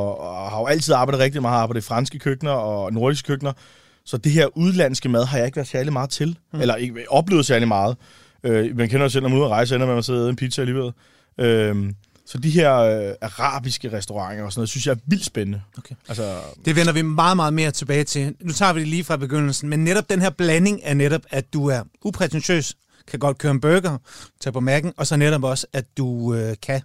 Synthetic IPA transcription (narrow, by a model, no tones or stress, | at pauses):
ɒhɑ̈jo̝æl̰t͡sʰið̰ˠɑ̈ːb̥ɑ̈ɪd̩ˠʁɛɡ̥̚d̥imɑ̈ːðˠɑ̈b̥ɑ̈ɪðˠfʁɑ̈nsɡ̥əkʰøɡ̥nɐɒ̽no̝ɐ̥is̬ɡ̥ə̥kʰøɡ̥nɐ | sɒ̽d̥eɦeɐ̰ʔuð̞ˠlæn̰sɡ̥əmæð̞ˠɦɑ̈jɑ̈e̝ɡ̥ʋæɐd̥sæɐlimɑ̈ːð̩ˠt͡sʰe̝lelɐe̝ɡəʔɒ̽b̥le̝̰ʊsæɐlimɑ̈ːð̞̩ˠ | ømænkʰenɐjo̝sel̰nɒmænṵɐʁɑ̈ɪs̬əenɐmemænseð̰ˠeðˠen̩pʰid̥sææliːʋel̰ | ʔøm | sɒ̽d̥iɦeɐ̰øɑʁɑ̰̈ːb̥isɡ̥əʁɛsd̥oʁɑ̈ŋ̰ɐɒsɒnɔːðˠesynsjɑ̈æɐʋil̰d̥sb̥enənəokʰeælsɐd̥e̝ʋen̰ɐʋimɑ̈ːð̩ˠmɑ̈ːð̩ˠme̝ːɐt͡sʰe̝b̥ɛ̰ːɪt͡sʰe̝nut͡sʰɑ̰̈ːʋid̥eliːfʁɑ̈b̥e̝ɡ̥øn̰l̩sn̩menːeɾɒ̽b̥̚d̥enɦe̝ɐb̥læne̝ŋæɐneɾɒb̥æd̥uæɐupʰʁɛt͡sʰensø̰ːs | kʰæɡ̥ɒ̽d̥̚kʰøːɐenb̥øɡ̥ɐt͡sʰɛ̰ːpʰɒ̽mæɡ̥n̩ʔɒ̽sɒ̽neɾɒ̽b̥ɒ̽sæd̥uøkʰæ